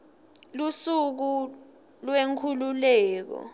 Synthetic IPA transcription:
lusuk̬u | lweŋkʰululɛːk̬ɔ̰

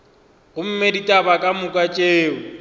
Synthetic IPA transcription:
ɣʊm̩meditʼabakʼamʊkʼat͡ʃʼeːʊ

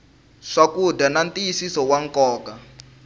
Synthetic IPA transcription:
ʂakudanantijisisɔwaŋkɔːka

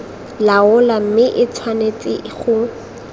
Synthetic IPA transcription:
laʊlam̩mɪʔɪt͡sʰwanet͡sʼɪχʊ

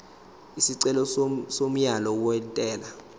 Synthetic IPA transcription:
isiǀɛlɔsom̩jalɔuwɛntʼɛːla

